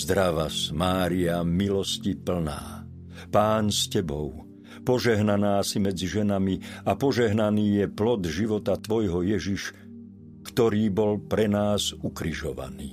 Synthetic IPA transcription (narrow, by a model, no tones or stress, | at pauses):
zd̪ɾaʋasmaːɾiamilɔscipl̩na̰ː | paːnscɛbɔʊ | pɔʒɛɦnanaːsimɛd͡ziʒɛnamiapɔʒɛɦnaniːjɛplɔd̪ʒiʋɔt̪at̪ʋɔjɦɔjɛʒiʃ | kt̪ɔɾiːbɔlpɾɛnaːzukɾiʒɔʋa̰nḭː